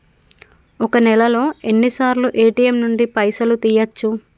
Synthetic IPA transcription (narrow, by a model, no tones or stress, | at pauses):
ɔkɐnɛlɐlo̞ːe̞nːisaːɾluʔeːʈiemnuɳɖipɐjsɐlut̪iːjɐt͡ʃːu